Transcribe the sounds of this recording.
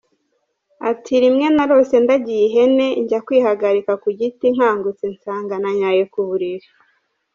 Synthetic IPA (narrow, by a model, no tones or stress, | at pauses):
atʰiɾimŋe̞naɾo̞se̞ndaɟijiɦe̞ne̞ɲɟakwiːhaɡaɾikakuɟitiŋ̥haːŋɡut͡sinsaːŋɡanaɲajekuβuɾiɾe